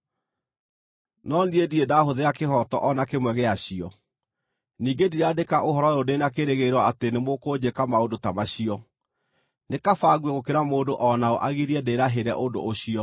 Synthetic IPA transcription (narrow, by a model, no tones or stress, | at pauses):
nɔndiediedaɦoðeakeɦɔtɔ̰ʔɔnakemwɛɣeaɕiɔ | niːɡediɾeadekaʔoɦɔɾɔodenakeɾeɣeɾwɔatenemokod͡ʑekamaodotamaɕiɔ | nekafaːɣwɛɣokeɾamoːdoʔɔnao̰ʔaɣiɾiɛdeɾaɦeɾɛ̰ʔodo̰ʔoɕiɔ